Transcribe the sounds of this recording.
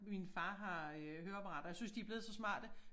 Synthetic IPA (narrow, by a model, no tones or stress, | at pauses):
minfɑ̈ːɦɑ̈øɦøːɐb̥ʁɑ̈d̥ɐjasynsd̥iæb̥le̝ðˠsɒ̽smɑ̰̈ːd̥ə